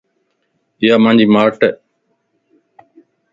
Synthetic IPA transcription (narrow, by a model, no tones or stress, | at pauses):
ɪjaːmãːɲd͡ʒiːmaːɾʈɛː